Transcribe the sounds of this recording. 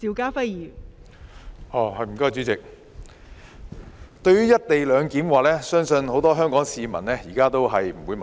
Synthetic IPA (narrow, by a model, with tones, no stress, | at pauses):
iː˨˧wkaː˥fɐ˥jjiː˨˩ | ʔɔː˨˩hɐ˨˧jm̩˨˩kɔː˥t͡syː˨˥t͡sɪ˨k̚ | t̪ɵ˧ɥyː˥jɐ˥t̚t̪e˨jlœː˨˧ŋkiː˨˥mwaː˨lɛː˥sœː˥ŋsɵ˧nho˨˥wt̪ɔː˥ɦœː˥ŋkɔː˨˥ŋsiː˨˧mɐ̰˨˩nlɛː˥jiː˨˩kaː˥t̪o˥wɦɐ˨jm̩˨˩wu˨˥jmɐ˨